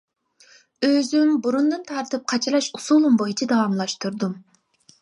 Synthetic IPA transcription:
øzymbuɾund̪ɨnt̪ʰɑɾt̪ʰɨp̚qʰɑt͡ʃʰilˠɑʃusulˠumbojit͡ʃʰid̪ɑwɑmlˠɑʃt̪uɾd̪um

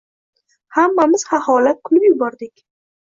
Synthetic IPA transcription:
hamːamɪz̥hahɒlat̪̚kʰʊlɪpjʊbɒɾd̪ɪkʲ

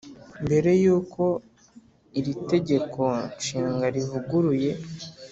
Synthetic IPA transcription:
mbe̞ɾe̞juːkʰo̞ | iɾite̞ɟe̞kʰo̞ʃiːŋɡaɾivuɡuɾuje̞

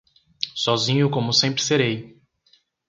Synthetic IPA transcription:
sɔzĩɲʊkõmʊsẽmpɾɪ̥seɾej

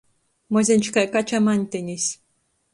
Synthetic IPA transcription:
mozʲenʲt͡ɕkajkat͡ɕamanʲt̪ʲɘ̆nʲɘ̆ɕʲ

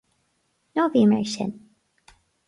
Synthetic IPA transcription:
novimḛʃə̰̃n

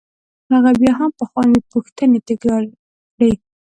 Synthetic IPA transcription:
haɣabjɑɦampəxwɑnipuxt̪ənet̪ɪɡɑ | ɽəj

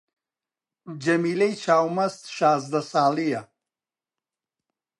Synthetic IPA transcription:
d͡ʒɐmilejt͡ʃʰaːwmɐst̪ʃaːzd̪ɐsaːlija

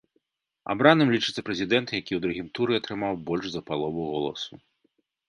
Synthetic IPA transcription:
a̰bɾanɨmlʲit͡ʂɨ̥t̪sːɐpɾɛzʲid̪ɛnt̪jakʲiwd̪ɾuɣʲimt̪uɾɨat̪ɾɨmawbɔlʲʂzɐpalˠɔvuɣɔlˠɐ̰su

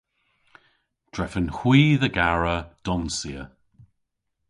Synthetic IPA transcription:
d̥ɹɛfənhwiːðəɡaɹəd̥ɔnsiə

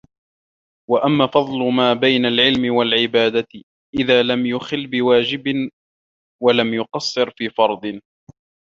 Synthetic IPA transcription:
waʔamːaːfɑd̪ˤlʊmaːbajnalʕɪlmɪwalʕɪbaːd̪a | ʔɪðaːlamjʊxɪlːbɪwaːd͡ʒɪbɪ | walamjʊqɑsˤːɨɾfiːfɑɾˤd̪ˤɨ

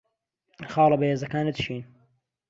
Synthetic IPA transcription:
xɑːlˠɐbaheːzɐkaːnɨd̪ʃiːn

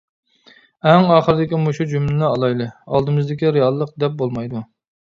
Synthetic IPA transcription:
ɛŋɑːχəɾɪd̪ɪkʲimoʃud͡ʒymlɛɑlˠɑjlˠɨɑ̰lˠd̪ɨmɨzd̪ɪkʲiɾeɑlˠːəq̚d̪ɛp̚bolˠmɑjd̪u

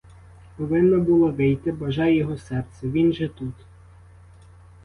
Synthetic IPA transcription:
pɔʋɪnːɔbulˠɔʋɪjt̪ɪbɐʒɑjːɔɦɔsɛrt̪sɛʋʲinʒɛt̪ut̪

